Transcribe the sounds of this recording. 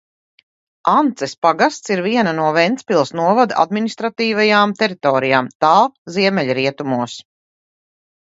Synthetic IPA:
ant̪sɛspaɡast̪siɾviɛnanuɔvɛnt̪sʲpilˠsnuɔvad̪a̰d̪minist̪ɾat̪iːvajaːmt̪ɛɾit̪ɔːɾijaːmt̪ɑːlˠziɛmɛʎʲɾiɛt̪umuɔs

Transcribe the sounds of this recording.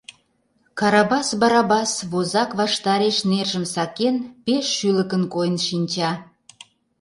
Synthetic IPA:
kɑɾɑbɑsbɑɾɑbɑsβozɑkβɑʃt̪ɑɾeʃnerʒə̆msɑkenpeʃːyləkənkojənʃinʲt͡ɕɑ

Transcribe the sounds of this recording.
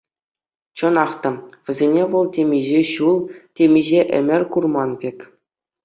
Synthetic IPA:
t͡ɕɤ̆nɑχt̪ɑʋʲɘ̆zʲenʲeʋɤ̆lˠtʲemʲiʑeɕulˠtʲemʲiʑeʔɘ̰̆mʲɘ̆rʲkurmɑnbʲekʲ

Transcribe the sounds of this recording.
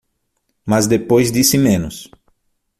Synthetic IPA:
mazd̪epojzd̪isɪmẽnʊs

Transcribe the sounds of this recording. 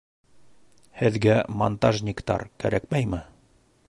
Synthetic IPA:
hɘ̆ðɡæmont̪aʒnʲɪkt̪ɑ̰ɾkæ̰ɾʔækmæjmɘ

